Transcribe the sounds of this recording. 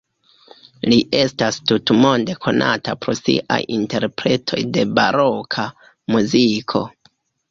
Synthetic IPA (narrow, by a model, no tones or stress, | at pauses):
liʔe̞stastutmo̞nde̞kʰo̞nʔa̰tapɾo̞sḭʔa̰jinte̞ɾpɾe̞tʰo̞̰jde̞baɾo̞kʰa | muzikʰo̞̰